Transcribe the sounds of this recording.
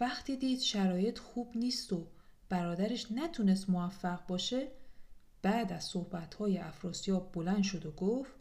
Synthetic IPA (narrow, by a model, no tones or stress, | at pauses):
væχt̪ʰiːd̪iːd̪̥ʃæɾɒːje̞t̪ʰxuːbniːst̪o̞ | b̥æɾɒːd̪æɾeʃnæt̪ʰune̞st̪movæfːæɣbɒːʃe̞ | b̥æːd̪æz̥sohbæt̪hɒːje̞ʔæfɾɒːsijɒːbbolænd̪ʃo̞d̪oɡoft̪